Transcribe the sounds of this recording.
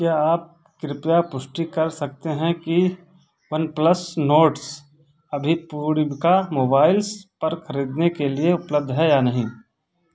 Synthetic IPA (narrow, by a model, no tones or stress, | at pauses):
kjaːaːp̚ | kɾɪpjapʊʃʈikɐɾsɐk̚t̪eɦɛ̃ki | ʋɐnplɐsnoːʈs | ɐbʱipuːɾbkamoːbaːɪlspɐɾxʰɐɾiːd̪nekelieʊpləb̚d̪ʱɦɛjanɐɦĩː